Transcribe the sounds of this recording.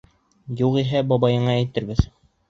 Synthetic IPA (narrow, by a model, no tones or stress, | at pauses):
juqiɦæbɒbɑjɤ̆ɴɑæjt̪ɘ̆ɾbɘð